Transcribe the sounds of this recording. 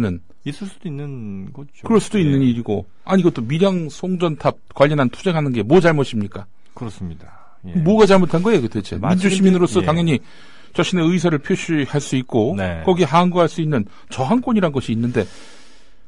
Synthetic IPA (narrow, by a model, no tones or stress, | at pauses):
nɯn | is͈ɯs͈ud̥oinːɯn | kɯɾʌɭs͈udoinːɯɲiɾiɡo | aɲiɡʌt͈omiɾjaŋsʰoŋd͡ʑʌntʰap̚kwaʎːʌnɦantʰud͡ʑe̞ŋɦanɯnɡe̞mwʌt͡ɕaɭmʌɕʰimɲik͈a | kɯɾsmɲida | muɡat͡ɕaɭmotʰanɡʌeɡetet͡ɕʰḛmind͡ʑuɕʰimminɯɾos͈ʌtaŋjʌɲi | t͡ɕaɕ͈ʰine̞ɯjs̬ʰaɾɯɭpʰjoɕʰihaɭs͈uik̚k͈onkʌɡieɦanɡuɦaɭs͈uinːɯn | t͡ɕʌɦank͈oɲiɾaɦnɡʌɕʰiːnːɯnde̞